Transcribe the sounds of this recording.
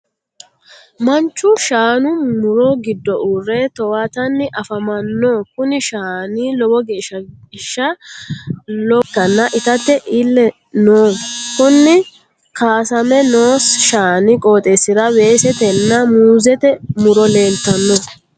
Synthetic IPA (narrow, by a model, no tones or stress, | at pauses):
mɐnt͡ʃːʊʃaːnʊmʊɾɔɡɪd̪ːɔʔuːrɛt̪ɔwat̪ɐnːɪʔɐfɐmɐnːokʊnɪʃaːniːlɔbɔɡeːʃɐʃːɐ | lɔkːɐnːɐʔɪt̪ɐt̪ːɛʔɪlːɛ | noːkʊnːɪ | kaːsɐmɛno̞ːsʃaːnɪkʼo̞ːt̪ʼɛsːɪd̪ɐwe̞ːsɛt̪ɛnːɐmuːzɛt̪ɛmʊɾɔle̞ːlt̪ɐnːɔ